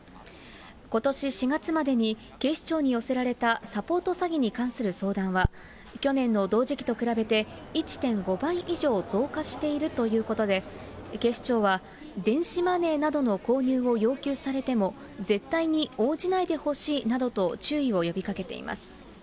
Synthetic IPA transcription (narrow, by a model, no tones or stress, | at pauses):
ko̞t̪o̞ɕiɕiɡat͡sɨmad̪e̞ɲ̟i | ke̞ɕi̥t͡ɕo̞ːɲ̟ijo̞se̞ɾaɾe̞t̪asapo̞ːt̪o̞saɡʲiɲ̟ikãɰ̃sɨɾɯ̟so̞ːd̪ãɰ̃βa | kʲo̞nẽ̞nːo̞d̪o̞ːʑikʲi̥t̪o̞kɯɾabe̞t̪e̞ | it͡ɕi̥t̪ẽ̞ŋɡo̞bãɰ̃ʔiʑo̞ːzo̞ːkaɕi̥t̪e̞iɾɯ̟t̪o̞jɯ̟ːko̞t̪o̞d̪e̞ke̞ɕi̥t͡ɕo̞ːβa | d̪ẽ̞ɰ̃ɕimane̞ːnad̪o̞no̞ko̞ːɲ̟ɨːo̞jo̞ːkʲɨːsaɾe̞t̪e̞mo̞ | ze̞t̪ːaiɲ̟io̞ːʑinaid̪e̞ho̞ɕiːnad̪o̞t̪o̞t͡ɕɨːio̞jo̞bʲikake̞t̪ḛḭmʔa̰sɨ̥